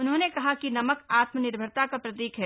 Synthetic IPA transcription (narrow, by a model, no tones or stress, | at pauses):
ʊnɦõnekɐɦakinɐməkaːt̪mənɪɾbʱəɾt̪akapɾɐt̪iːkɦɛː